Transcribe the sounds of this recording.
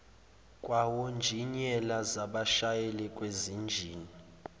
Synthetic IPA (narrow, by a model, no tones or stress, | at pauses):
kʼwawond͡ʒʱiɲɛlazaɓaʃajɛlɛkʼwezind͡ʒʱiːni